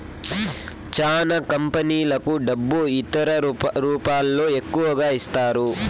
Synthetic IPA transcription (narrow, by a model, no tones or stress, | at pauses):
t͡ʃaːnɐkɐmpɐniːlɐkuɖɐbːuit̪ɐɾɐɾuːpaːlːo̞ːe̞kːuʋɐɡaːist̪aːɾu